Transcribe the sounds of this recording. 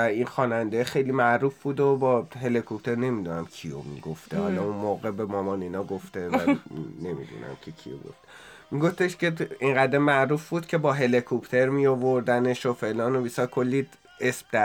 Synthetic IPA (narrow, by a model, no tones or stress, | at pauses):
æinxɒːnænd̪exe̞jlimæʔɾuːfbuːd̪obɒːɦe̞likʰop̚t̪ʰe̞ɾne̞mid̪unæmcʰijo̰mḭɡoft̪ʰḛhɒlɒunmoːɣebemɒːmɒːninɒɡoft̪evæne̞mḭd̪ṵːnʔæ̰mcʰecʰḭo̰ɡo̰ft̪e̥ | miɡo̞ft̪e̞ʃce̞iŋɢæd̪emæʔɾuːfbuːd̪̥cʰe̞bɒːɦe̞likʰopʰt̪ʰeɾmiovoɾd̪æneʃofe̞lɒːnobisɒɾkʰolːi | esb̥̚d̪æ